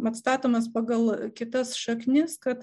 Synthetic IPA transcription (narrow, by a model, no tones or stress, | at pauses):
ɐt̪st̪ɑːt̪oːmɐspɑːɡɐlˠkʲɪt̪ɐsʃɐknʲɪskɐt̪